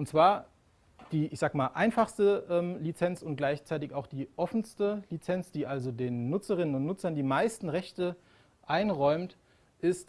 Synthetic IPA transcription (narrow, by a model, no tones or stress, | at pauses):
ʔʊntt͡sv̥aːɐ | d̥iːʔɪçz̥aːɡəmaːlʔa̰ɪnfaχstəʔɛːmlit͡sɛnt͡sʊnt̚ɡ̥laɪçt͡saɪtɪçaʊxd̥iːʔɔfn̩stəlit͡sɛnt͡sd̥iːʔalzodeːnːʊt͡səʁɪnənʊntnʊt͡sɐndiːmaɪstn̩ʁɛçtə | ʔaɪnʁɔʏmt | ʔɪst